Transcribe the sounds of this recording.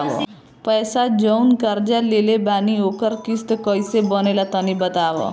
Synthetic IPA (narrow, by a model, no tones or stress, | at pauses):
bʌ̰ | pʌjsad͡ʒʌwnkʌɾd͡ʒalelebaniokʌɾkist̪kʌjsebʌnelat̪ʌnibʌt̪abʌ̰